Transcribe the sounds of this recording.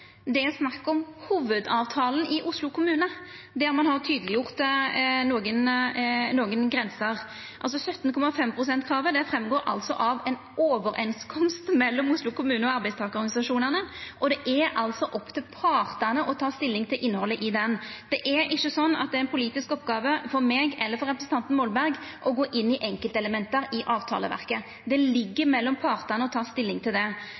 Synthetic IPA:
d̪ɛɛsnɑkːɔmhuːʋəd̪ɑːʋt̪ʰɑːln̩ɪʔʊslʊkʰʊmʉːnə | d̪ɛɾmɑnhɑʁt̪ʰyːd̪əlɪjʊʁt̪noːɡənnoːɡənɡɾɛnsəʁ | ʔɑlsɔsœt̪ːnkʰɔmɑfɛmpʰɾʊsɛnt̪kʰɾɑːʋəd̪ɛfɾɛmɡoːɾʔɑ̰lt̪sɔ̰ʔɑʋɛnoːʋəɾɛnskʰɔmst̪mɛlːɔmʊslʊkʊmʉːnəɔɑɾbæɪst̪ɑːɡəɔɾɡɑnɪsɑʂuːnəʁnəʔɔd̪ɛʔɛɾɑlsɔʔɔpːt̪ʰɪlpʰɑːɾt̪ɑnəʔɔt̪ʰɑːst̪ɪlːɪŋt̪ʰɪlʔɪnːhɔlːəʔɪd̪ɛnd̪̥ɛʔæɾɪçːəsɔnːɑ̰t̪̚d̪ɛæɾɛɪnpʰʊliːt̪ɪskɔpːɡɑːʋəfɔɾmeːɡɛlːəɾfɔɾːɛpɾəsn̩t̪ɑnt̪n̩mɔlbæɾɡʔɔɡoːʔɪnːɪʔɛŋkəlt̪əɛləmɛnt̪əɾɪʔɑːʋt̪ʰɑ̰lə̰ʋæ̰ʁkə | d̪ɛlɪɡːəɾmɛlːɔmpʰɑːʁt̪ɑnəɔt̪ʰɑːst̪ɪlːɪŋt̪ʰɪld̪ɛ

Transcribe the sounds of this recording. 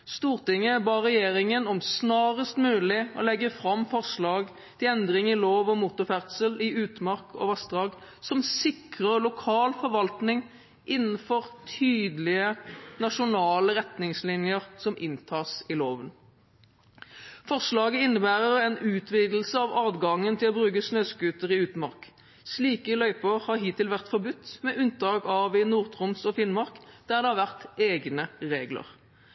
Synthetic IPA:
st̪uːʁt̪ɪŋːəbɑːʁɛjeːɾɪŋənɔmsnɑːʁəst̪mʉːlɪɔ̰lɛɡːəfɾʁɑmːfɔʁʂlɑːɡ | t̪ʰɪlɛnd̪ʁɪŋɪloːʋɔmʊt̪ʊfæʁd̪səlɪʉːt̪mɑʁkʰɔ̰ʋɑsd̪ʁɑːɡ | sɔmsɪkʁəlʊkʰɑːlfɔɾʋɑlt̪nɪŋ | ʔɪnːn̩fɔʁt̪ʰyːd̪əlɪənɑʂʊnɑːləʁɛt̪nɪŋslɪnjəʁsɔmʔɪnt̪ʰɑːsɪloːʋən | fɔʁʂlɑːɡəɪnːəbæːʁəʁɛnʉːt̪ʰʋiːd̪l̩səɑʋɑːdɡɑŋːənt̪ʰɪlɔbʁʉːkəsnøːskʉːt̪əʁɪʉːt̪mɑʁk | sliːkəlœʏpəhɑʁɦiːt̪ʰɪlʋæʁt̪fɔʁbʉt̪ːmɛʔʉnt̪̚d̪ɑːɡɑʋɪnuːʁt̪ʰʁʊmsɔfɪnmɑʁkd̪̥æʁd̪ɛhɑʁʋæʁt̪eːɡnəʁeːɡlə̰ʁ

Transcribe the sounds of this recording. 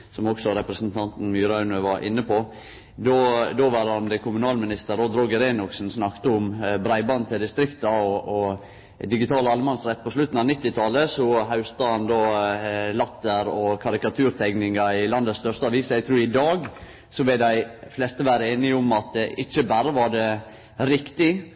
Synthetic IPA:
sɔmɔɡsɔɾɛpɾəsnt̪ʰɑnt̪n̩myːɾɑʉnøʋɑɾʔɪ̰nːəpʰo | d̪oːd̪oːʋɑɾɑnd̪əkʰʊmʉnɑːlmɪnɪst̪əɾod̪ɾɔɡəɾeːnʊksn̩snɑkt̪əʊmbɾæɪbɑnt̪ʰɪld̪ɪst̪ɾɪkt̪ɑɔɔ | d̪ɪɡɪt̪ʰɑːləɑlmɑnsɾɛt̪̚ːpʰɔslʉt̪ːn̩ɑnɪt̪ːɪt̪ʰɑləsɔɦaʉst̪əhɑnd̪oːlɑt̪ːəɾɔkʰɑɾɪkɑt̪ʰʉːɾt̪ʰɛɡnɪŋɑɪlɑnd̪əst̪œɾʂt̪əɑʋiːsjæɡt̪ʰɾʉːɾɪd̪ɑːɡ | sɔʋɪld̪æɪflɛst̪əʋæːɾəeːnɪʊmɑt̪̚d̪ɛʔɪçːəbæːɾəʋɑɖɛ | ɾɪkt̪ɪ

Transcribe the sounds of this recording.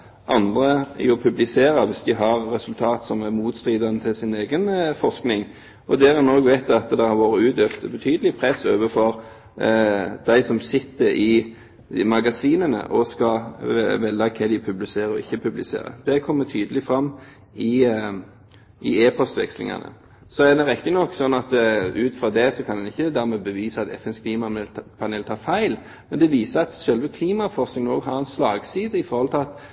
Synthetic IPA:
ʔɑnd̪ɾəjʊpʰʉblɪseːɾɑʋɪsd̪ɪɦɑɾːɛsʉlt̪ʰɑːt̪sɔmæmuːt̪st̪ɾiːd̪ɑnət̪ʰɪlsɪneːɡənfɔʁsknɪŋ | ʔɔd̪ɛːɾɛnoːɡʋeɪt̪ɑt̪d̪ɛhɑɾʋoːɾəʉːt̪øft̪bət̪ʰyːd̪əlɪpʰɾɛsːoːʋəfɔʁ | d̪æɪsɔmsɪt̪ːəɾʔɪ | mɑɡɑsiːnənə̰ʔɔskɑʋɛlːɑkʰɛd̪ɪpʰʉblɪseːɾəɔ̰ɪçːəpʰʉblɪsḛːɾə̰d̪ɛkʰɔmːət̪ʰyːd̪əlɪfɾɑmː | ɪ | ɪeːpʰɔst̪ʋɛkslɪ̰ŋɑ̰nə̰ | sɔæd̪ɛɾɛkːənɔkːsɔnːɑt̪ʉːt̪fʁɑd̪ɛsɔkʰɑnd̪ɛnɪçːəd̪æɾmɛbəʋiːsəɑt̪ɛ̰fɛnskʰliːmɑpʰɑneːlt̪ʰɑːɾfæɪl | mɛnd̪ɛʋiːsəɾɑt̪ɕœlʋəkʰliːmɑfɔʁsnɪŋnoːɡɦɑɾɛnslɑːɡsiːd̪əɪfɔɾhɔlt̪ʰɪlɑt̪

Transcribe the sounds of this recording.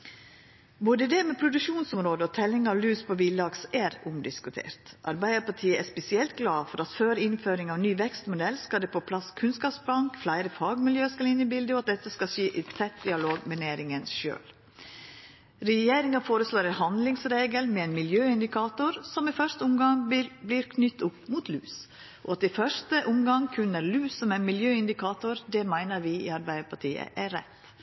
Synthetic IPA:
boːd̪əd̪ɛmɛpʰɾʊd̪ʉkʃuːnsʊmɾoːd̪əɔt̪ʰɛlːɪŋɑʋlʉːspʰɔʋiːlɑɡsæɾʊmd̪ɪskʉt̪ʰḛːɾt̪ʔɑ̰ɾbæɪəpʰɑʈʰiːəɛspɛsɪɛlt̪ɡlɑːfɔɾɑt̪føːɾɪnføːɾɪŋɑʋnyːʋɛkst̪mʊd̪ɛlskɑld̪ɛpʰɔpʰlɑskʰʉnskɑːpsblɑŋkflæɪɾəfɑːɡmɪljøːskɑlɪnəbɪld̪əɔɑt̪̚d̪ɛt̪ːəskɑʃiːʔɪfɛt̪̚d̪ɪɑloːɡmɛneːɾɪŋənʃø̰ːl | ɾɛjeːɾɪŋɑfoːɾəsloːɾɛnhɑnd̪lɪŋsɾeːɡəlmɛɛnmɪljøːɪnd̪ɪkʰɑːt̪ʊɾsɔmɪfœʂt̪əʊmɡɑŋblɪɾkʰnʏt̪ːʊpmuːt̪ʰlʉːs | ʔɔɑt̪ɪfœʂt̪əʔʊmɡɑŋkʰʉnːəɾlʉːsːɔmæɪnmɪljøːɪnd̪ɪkʰɑːt̪ʊɾd̪ɛmæɪnəɾʋɪḭɑɾbæɪəpʰɑʈʰiːə̰ʔæɾɛt̪ː

